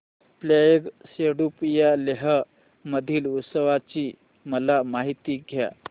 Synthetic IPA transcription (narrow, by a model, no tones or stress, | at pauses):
plejeɡseɽupjaleɦə | məd̪ʱiːlut̪səʋat͡ɕiː | məlamaɦit̪iːɡʱja̰